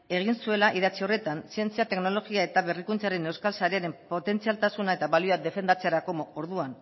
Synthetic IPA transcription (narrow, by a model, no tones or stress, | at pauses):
e̞ɣ̞insue̞laʔiðat͡sio̞re̞t̪ansie̞nt͡siat̪e̞kno̞lo̞ɣiae̞t̪aβe̞rikunt͡saɾe̞ne̞wskalsaɾe̞aɾe̞mpo̞t̪e̞nt͡sialt̪asunae̞t̪aβalioad̪e̞fe̞nd̪at͡seaɾako̞mooɾðuan